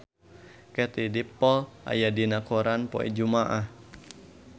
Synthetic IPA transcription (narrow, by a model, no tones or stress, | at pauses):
kɛt̪idipːɔlʔa̰jadinakoɾanpɔ̰ḭd͡ʒumaʔah